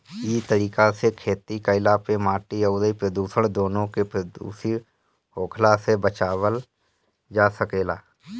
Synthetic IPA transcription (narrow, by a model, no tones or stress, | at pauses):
it̪əɾiːkasekʰeːt̪ikəɪlapemaːʈiəʊd̪ipɾəd̪uːsəɽ̃d̪oːnõkepɾəd̪ṵːsi | ɦoːkʰlasebət͡ʃaːwəl | d͡ʒaːsəkeːlaː